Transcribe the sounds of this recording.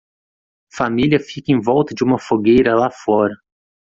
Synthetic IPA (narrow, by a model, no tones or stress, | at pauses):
familʲiɐfikẽj̃vɔwt̪ɐd͡ʒɪũmɐfoɡejɾɐlafɔɾɐ